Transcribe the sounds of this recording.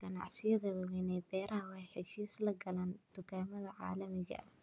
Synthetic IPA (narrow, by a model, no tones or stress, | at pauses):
ɡ̥ɐnɑ̰ʕsɪjɐðɐwɐwɛnɛjbɛːɾʔɐhɐwɑːħɪʃiːslɐɡɐlaːnt̪ʊkʰaːmɐðɐʕɑ̰ːlɐmɪɣɐ̰ʔɐ